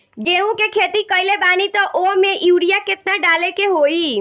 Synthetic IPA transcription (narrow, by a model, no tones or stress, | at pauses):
ɡeɦũkekʰet̪ikəɪlebaːnit̪ɔʔomẽʔjuːɽijaket̪naɖalekeɦoi